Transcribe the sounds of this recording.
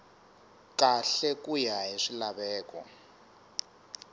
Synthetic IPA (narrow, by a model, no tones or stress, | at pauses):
kaɬɛkʼujaɦeʂilaβɛːkɔ̰